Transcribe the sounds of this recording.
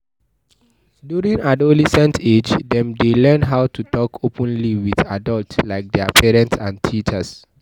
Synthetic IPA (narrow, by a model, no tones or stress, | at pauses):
djuɹĩŋadolɛsɛ̃ntʰed͡ʒdɛ̃mdelɛ̃nɦaʊtʰutɔkʰopʰə̃nliwiðadɔltlaɪk̚dɛ̰pʰɛɹɛ̃ntsãntʰit͡ʃəs